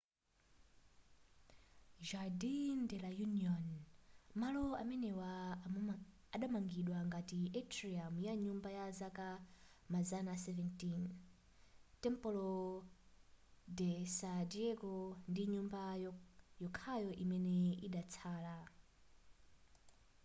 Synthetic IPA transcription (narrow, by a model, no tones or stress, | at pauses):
ʒadindɛlajuniɔnmalɔamɛnɛwa | ɗamaŋɡiɗwaŋɡatiʔɛtʰɾiamjaɲumbajazaka | mazanasɛvɛntin | tɛmpɔlɔ | dɛsadiɛkɔndiɲumba | jɔkʰajɔʔimɛnɛiɗat͡sʰaːla